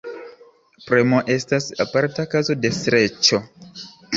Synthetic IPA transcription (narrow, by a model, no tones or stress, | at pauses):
pɾemoʔe̞stasapaɾtakazo̞de̞sɾe̞t͡ʃo̞